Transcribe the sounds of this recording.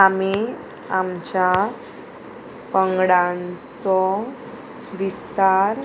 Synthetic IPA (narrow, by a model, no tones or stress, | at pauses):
ami | amt͡ɕja | pəŋɡɽãnt͡sɔ | ʋist̪aɾ